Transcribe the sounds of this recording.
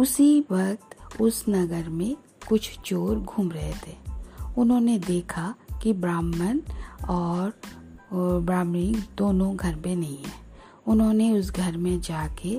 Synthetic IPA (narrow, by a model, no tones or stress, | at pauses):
ʊsiʋɐkt̪ʊsnɐɡəɾmẽ | kʊt͡ʃʰt͡ʃoːɾɡʱuːmɾɐɦet̪ɦeːʊnɦõːned̪eːkʰakibɾaːmːənɔːɾ | bɾaːmɾɪ̃ŋɡd̪oːnõɡʱɐɾpẽnɐɦĩɦɛ̰̃ː | ʊnɦõːneʊs̬ɡʱɐɾmẽd͡ʒaːke